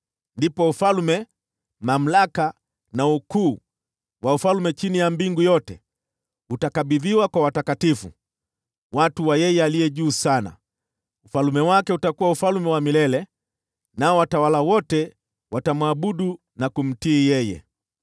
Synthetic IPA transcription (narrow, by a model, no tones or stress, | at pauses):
ndipɔufalmɛ | mam̩laka | naukuː | waufalmɛt͡ʃinijambiŋɡujɔtɛ | utakaɓiðiwakwawatakatifṵ | watuwajɛjɛalijɛʄuːsana̰ | ufalumɛwakɛutakuwaufalmɛwamilɛlɛ | naɔwatawalawɔtɛ | watamwaɓuɗu | nakum̩tiːjɛjɛ̰